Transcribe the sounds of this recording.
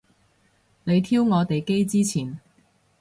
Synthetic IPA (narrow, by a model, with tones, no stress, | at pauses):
ne˨˧jt̪ʰiː˥wŋɔː˨˧t̪e˨jke˥jt͡siː˥t͡sʰiː˨˩n